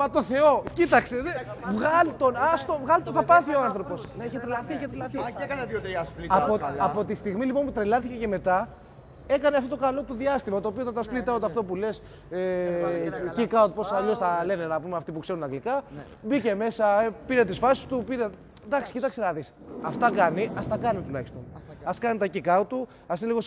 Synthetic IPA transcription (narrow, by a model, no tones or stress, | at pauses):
mɐt̪oθe̞o̞cit̪ɐkseevɣɐlt̪onɐst̪ovɣɐlt̪oθɐpɐθioɐnθɾo̞po̞sneiçet̪ɾelɐθieçet̪ɾelɐθikɐnt̪iot̪ɐsplioɐpo̞t̪ist̪iɣmilipo̞nput̪ɾelɐθice̞ce̞me̞t̪ɐ | e̞kɐneaft̪ot̪okɐlo̞t̪uðiɐst̪imɐt̪oːpiot̪ɐt̪ɐsplit̪ɐot̪eɐft̪o̞pule̞s | e | cikɐot̪̚po̞sɐʎo̞sθɐle̞ne̞nɐpumeɐft̪ipukse̞ɾunɐŋɡlikɐ | bice̞me̞sɐpiɾet̪isfɐsi̥st̪upiɾe | d̪ɐksi̥cit̪ɐksenɐðis | ɐft̪ɐkɐniɐst̪ɐkɐnit̪ulɐçi̥st̪o̞nɐskɐnit̪ɐcikɐot̪u | ɐs̬iliɣo̞s